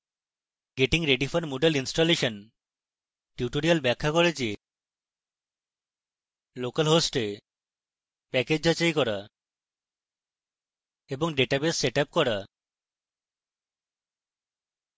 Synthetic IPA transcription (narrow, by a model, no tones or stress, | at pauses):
ɡeʈiŋɾeɖifʰanmoɖalinsʈoleʃɔn | ʈjuʈoɾialbɛkʰːakɔɾet͡ɕe | lokalɦosʈe | pɛked͡ʑɦat͡ʃajkɔɾa | eboŋɖeʈabesːeʈap̚kɔɾa